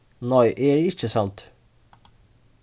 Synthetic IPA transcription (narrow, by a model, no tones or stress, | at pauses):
nɔʏʔeːɾeɪt͡ʃːəsɑnt̪